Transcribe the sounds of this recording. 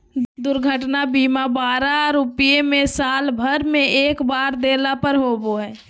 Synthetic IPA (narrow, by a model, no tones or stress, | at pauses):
d̪ʊɾɡʱəʈnabiːmabaːɾaɾʊpijemẽsaːlbʱəɾmẽʔeːkbaːɾd̪eːlapəɾɦoːboɦɛː